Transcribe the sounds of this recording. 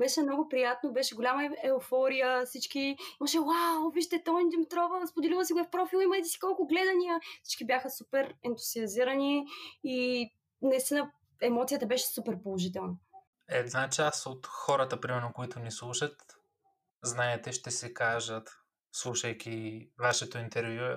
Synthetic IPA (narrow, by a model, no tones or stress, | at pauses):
bɛʃɛmnɔɡʊpɾijat̪nobɛʃɛɡolʲamɐɛofɔɾijəfsit͡ʃk̟iiməʃɛwawˠviʃt̪ɛt̪ɔind̪imit̪ɾɔvəspod̪ɛlivˠəsiɡoɛfpɾɔfilˠiməjt̪ɛsi̥kɔlˠkʊɡlɛd̪ɐnijəfsi̥t͡ʃkibjaxəsupɛɾɛnt̪u̥z̥iɐziɾəniː | nɐist̪inə | ɛmɔt̪sijət̪əbɛʃɛ̥supɛɾpolˠoʒit̪ɛlˠnə | ɛd̪nat͡ʃast̪ot̪xɔɾət̪əpɾimɛɾnokoit̪ʊnislˠuʃət̪ | znaɛt̪ɛʃt̪ɛsɛkaʒət̪ | slˠuʃɐjkʲivaʃɛt̪oint̪ɛɾvju